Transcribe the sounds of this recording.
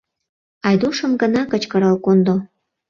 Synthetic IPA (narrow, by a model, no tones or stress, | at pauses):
ɑjd̪uʃə̆mɡənɑkət͡ɕkəɾɑlkond̪o